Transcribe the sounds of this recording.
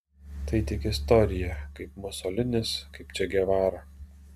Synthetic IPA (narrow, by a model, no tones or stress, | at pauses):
t̪ɐɪt̪ʲɪkɪst̪ɔɾʲɪjɛkɐɪpmɔsɔːlʲɪnʲɪskɐɪpt͡ʃʲɛɡʲɛʋɑːɾɐ